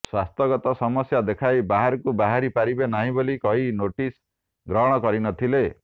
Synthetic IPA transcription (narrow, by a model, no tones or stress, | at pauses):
swast̪ɔɡɔt̪ɔsɔmɔsjad̪ekʰajbaɦaɾɔkubaɦaɾipaɾibenaɦĩbolikɔɦinoʈis | ɡɾɔɦɽ̃ɔkɔɾinɔt̪ʰile